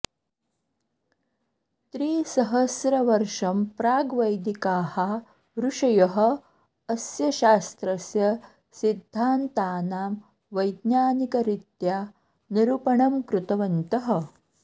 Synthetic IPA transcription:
t̪ɾiːsɐɦɐsɾɐʋɐɾʂɐmpɾaːɡʋɐjd̪ikaːhɐ | ɾuʂɐjɐɦɐ̆ | ɐsjɐʃaːst̪ɾɐsjɐ | sid̪ʱːaːnt̪aːnaːm | ʋɐjd̪naːnikɐɾit̪jaː | niɾupɐɳɐmkɾut̪ɐʋɐnt̪ɐɦɐ

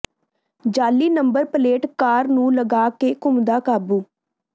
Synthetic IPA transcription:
d͡ʒaːliːnəmbəɾpəleːʈkaːɾnũːləɡaːkeːkʊmd̪aːkaːbuː

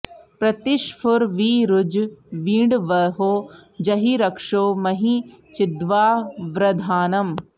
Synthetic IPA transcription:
pɾɐt̪ɪʃpʰʊɾʋiɾʊd͡ʒʋiːɳɖʋɐɦoːd͡ʒɐɦiɾɐkʂoːmɐɦit͡ʃɪd̪ʋaːʋɾɐd̪ʱaːnɐm

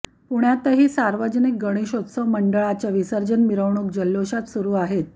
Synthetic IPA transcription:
puɳjat̪əɦiːsaɾʋəd͡ʑnik̚ɡəɽ̃iɕot̪səʋməɳɖəɭat͡ɕaʋisəɾd͡ʑənmiɾəʋɳ̃uk̚d͡ʑəlːoɕat̪suɾuːaɦet̪̚

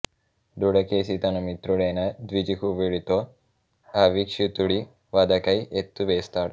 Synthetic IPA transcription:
d̪uɽɐkeːsit̪ɐnumit̪ɾuɽɐjnɐd̪ʋid͡ʒikuʋiɽit̪o̞ː | ɐʋikʂit̪uɽi | ʋɐd̪ɐkɐjet̪ːuʋeːst̪aːɽu

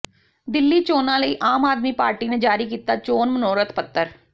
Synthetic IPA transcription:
d̪ɪlːiːt͡ʃoːnãːləiːʔaːmaːd̪miːpaːɾʈiːned͡ʒaːɾiːkiːt̪aːt͡ʃoːnmənoːɾət̪ʰpət̪ːəɾ

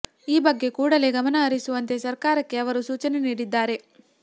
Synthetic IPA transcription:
iːbɐɡːe̞kuːɽɐle̞ɡɐmɐnɐːɾisuʋɐnt̪e̞sɐɾkaːɾɐkːe̞ɐʋɐɾusuːt͡ʃɐne̞niːɽid̪ːaːɾe̞

